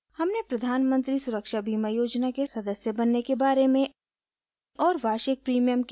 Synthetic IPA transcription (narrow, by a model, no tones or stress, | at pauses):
hɐmnepɾɐd̪ʱaːnmə̃nt̪ɾisʊɾəkʃabʱiːməjoːd͡ʒnakesɐd̪əsjəbɐnːekebaːɾemẽ | ɔːɾʋaːʃɪk̚pɾiːmijəmk